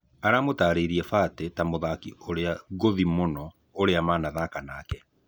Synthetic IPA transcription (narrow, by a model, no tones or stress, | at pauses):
aɾamotaːɾeːɾiɛfaːtɛtamoðakioɾeaɣoðimonɔ | oɾeamaːnaðakanaːkɛ